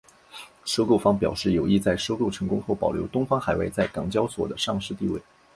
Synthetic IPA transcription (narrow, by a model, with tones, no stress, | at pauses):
ʂo˥ʊko˥˩ʊfɑ˥ŋpjɑ˨˩ʊʂɻ̩˥˩jo˨˩ʊi˥˧t͡sa˥˩ɪʂo˥ʊko˥˩ʊʈ͡ʂʰɤ˧˥ŋkʊ˥ŋxo˥˩ʊpɑ˨˩ʊljo˧˥ʊt̪ʊ˥ŋfɑ˥ŋxa˨˩ɪwa̰˥˧ɪt͡sa˥˩ɪkɑ˨˩ŋt͡ɕjɑ˥ʊswɔ̰˨˩d̪ə˦ʂɑ˥˧ŋʂɻ̩˥˧t̪i˥˧we˥˩ɪ